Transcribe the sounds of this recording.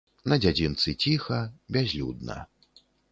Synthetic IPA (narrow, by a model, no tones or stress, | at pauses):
nɐd͡zʲad͡zʲint̪sɨt͡sʲixɐbʲazʲlʲṵd̪nɐ̰